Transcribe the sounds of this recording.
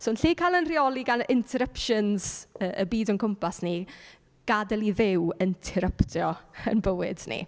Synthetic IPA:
soːnɬiːkʰalˠənriɔlˠiɡanɪntʰɛɾəpʃənz̥əʔəbiːdɔnkʰəmpʰasni | ɡ̥adɛlˠiðɪwəntʰɛɾəptʰjɔə̰nbəwɪ̰dnḭ

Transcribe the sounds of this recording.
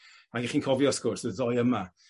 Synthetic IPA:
aɡɪχiːnkʰɔvjɔskorsəðɔjəma

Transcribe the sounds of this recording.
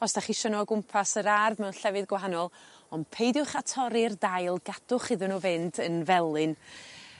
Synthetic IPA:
ɔsd̥aχiʃɔnɔɡʊmpʰasəɾarðmɛwnɬɛvɨðɡwaɦanɔlˠɔnpʰejdjʊχatʰɔɾɪrdajlˠɡad̥ʊχɪðɨnuvɪndənvɛlˠɨn

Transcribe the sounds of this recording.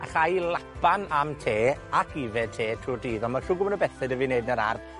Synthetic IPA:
a̰χajlˠapʰanamtʰeːakʰivɛtʰeːtʰruːrdiːðɔnmaɬʊɡʊmənəbɛθɛdəviːnejdnəɾarð

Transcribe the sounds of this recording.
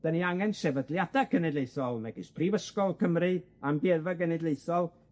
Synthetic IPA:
d̥aniaŋɛnsɛvədlˠjadakʰənɛdlejθɔlˠnɛɡɪspʰrivəskɔlˠkʰəmrɨ | ambɛvəɡənɛdlˠejθɔlˠ

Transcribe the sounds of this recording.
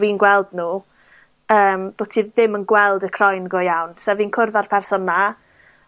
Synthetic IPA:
viːnɡwɛlˠdnuː | əːmb̥otʰiːðɪmənɡwɛlˠdəkʰrɔjnɡɔjawnsɛviːnkʰʊrðarpʰɛrsɔnːa

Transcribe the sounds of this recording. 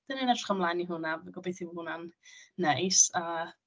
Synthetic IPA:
d̥əninadʰḁχamlˠaniɦʊnavɡɔbeθihʊnanːejsa

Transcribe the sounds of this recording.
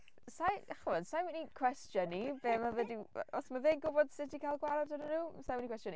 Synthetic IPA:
sajaχənsajwinikʰw̥ɛstjənibeːmavɛdiɔsmavɪːnɡʊbɔd̥sɪtikʰalˠɡwaɾɔdənənuːsajwinikwɛstjɔni

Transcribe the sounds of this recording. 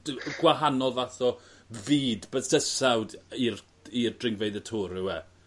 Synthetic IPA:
ɡwaɦanɔlˠvaθɔ | viːdbəstəsawdir | irdrɪŋvejðətʰuːɾɪwɛ

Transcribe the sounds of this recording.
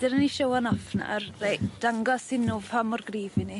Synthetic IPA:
d̥ɪɾəniʃowanɔfna̰rred̥aŋɡɔsɪnːuːvʰamɔrɡriːvɪni

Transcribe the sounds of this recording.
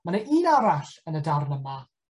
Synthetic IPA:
manəʔiːnaɾaɬənədarnəma

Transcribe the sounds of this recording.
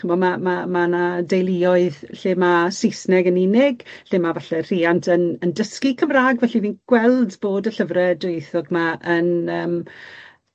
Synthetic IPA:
əmɔmamamanadejlˠiɔɨðɬeːmasɪsnɛɡəninɪɡɬeːmavaɬɛr̥iːantʰənəndəskikʰəmraːɡvɛɬiniːnɡ̥wɛlˠdboːdəɬəvrɛdʊɨθɔɡmaʔənəːm

